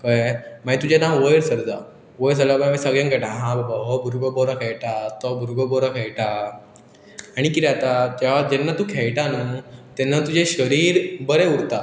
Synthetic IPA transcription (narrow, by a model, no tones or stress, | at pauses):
kəjmait̪ud͡ʑenãwʋəjɾsəɾd͡za̰ | ʋəjɾs̬əɾabamisəɡɭjãŋɡəʈãɦãbabaɦɔbʱuɾɡɔbɔɾakʰɛɭʈat̪ɔbʱuɾɡɔbɔɾakʰɛɭʈa | ɽ̃ikit̪ɛat̪ad͡ʑ̪eʋ̤ad͡ʑɛnːat̪ũːkʰɛɭʈanut̪ɛnːat̪ud͡ʑeɕəɾiːɾbəɾeuɽt̪a